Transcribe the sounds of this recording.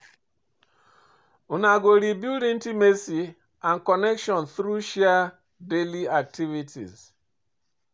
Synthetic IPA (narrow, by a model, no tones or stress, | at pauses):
unaɡoɾibjuɾin̩timesi | ankɔnekʃɔnθɾuʃea | deliak̚tivitʰḭz